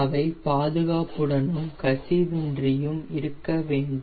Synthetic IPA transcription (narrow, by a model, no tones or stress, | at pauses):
ɐʋɐɪpaːðɯɣaːpɯɽɐnɯmkɐsiʋɪndrɪjɯmɪɾɯkːɐʋeːɳɖ